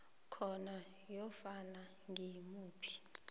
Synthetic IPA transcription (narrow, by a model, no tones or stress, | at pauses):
kʰɔna | jɔfana | ŋɡʱimuːpʰi̥